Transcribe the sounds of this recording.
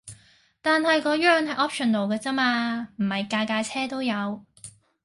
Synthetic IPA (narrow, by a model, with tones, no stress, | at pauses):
t̪aː˨nɦɐ˨jkɔː˨˧˥ɥœː˨˧ŋɦɐ˨jʔɔː˥p̚ʃɔ˨˩nlo˨wkɛː˧t͡sɐ˥maː˧m̩˨˩hɐ˨jkaː˧jkaː˧jt͡sʰɛː˥t̪o˥wjɐ˨˧w